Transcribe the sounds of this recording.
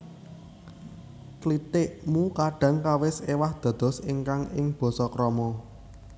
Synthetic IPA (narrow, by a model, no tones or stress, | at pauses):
klit̪ɪʔmukaɖ̥ä̤ŋkawɪsewahd̪̥ä̤d̪̥ɔ̤sɪŋkaŋɪŋb̥ɔ̤sɔkɾɔmɔ